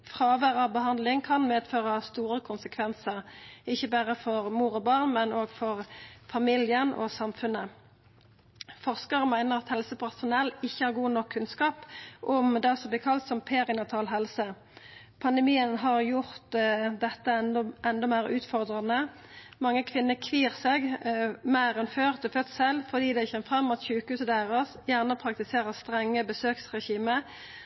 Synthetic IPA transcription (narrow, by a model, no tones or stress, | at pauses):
fʁɑːʋæʁəbəɦɑnd̪lɪŋkʰɑnmeːd̪føːʁɑst̪uːʁəkʰʊnsəkʰʋɛnsəʁɪçːəbæːʁəfɔʁmuːʁɔbɑːʁnmɛnoːɡfɔʁfɑmiljənɔ̰sɑmfʉnə | fɔʁskəʁəmæɪnəʁɑt̪hɛlsəpʰæʁsʊnɛlːɪçːəhɑːʁɡuːnɔkʰːʉnskɑːpʔɔmd̪ɛsɔmblɪːkʰɑlt̪sɔmpʰeːʁɪnɑt̪ʰɑːlɦɛlsə | pʰɑnd̪ɛmiːənɦɑʁjʊʁt̪d̪ɛt̪ːəʔɛnd̪ɔmæɪʁʉːt̪fɔʁd̪ʁɑnə | mɑŋːəkʰʋɪnːəkʰʋiːʁsɛɡmæɪʁɛnføːʁt̪ʰɪlfœt̪sɛlfɔd̪iːd̪æɪçɛmfʁɑmːʊt̪çʉːkhʉːsəd̪æːʁəsjæʁnəpʰʁɑk̚t̪ɪseːʁəʁst̪ʁɛŋːəbəsøːksʁɛçiːmə